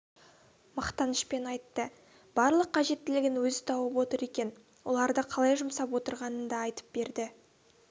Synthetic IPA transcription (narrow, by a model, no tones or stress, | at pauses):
mɑqt̪ɑnəʃpe̞nɑjt̪ːə | b̥ɑɾlˠəqqʰːɑʒe̞t̪ːɪlɪɡʲɪnwɵzɪt̪ʰɑwəpwo̞t̪əɾe̞kʲe̞n | wo̞̰lˠɑɾd̪əqʰɑlˠɑjʒʊmsɑpwo̞t̪əɾʁɑnənd̪ɑːjt̪ə̥p̚be̞ɾd̪ɪ